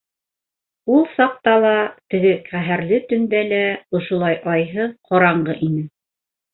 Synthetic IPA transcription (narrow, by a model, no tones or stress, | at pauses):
ulˠsɑq̚t̪ɑlˠɑt̪ɘ̆ɡɘqæɦæɾlɘt̪ɵ̆nd̪ælæŏʃŏlˠɑjʔɑjɦɤqʰoɾɑɴɢɤʔinɘ